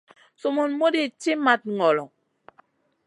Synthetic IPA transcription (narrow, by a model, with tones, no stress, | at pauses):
so˨mo˨nmo˦de˨t͡ʃe˦ma˨t̚ŋɔ˨lɔ˨